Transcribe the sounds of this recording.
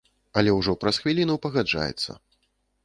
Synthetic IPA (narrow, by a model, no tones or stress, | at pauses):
ɐlʲɛwʐɔpɾɐsxvʲilʲinupɐɣad͡ʐa̰jɛ̰t̪sːɐ̰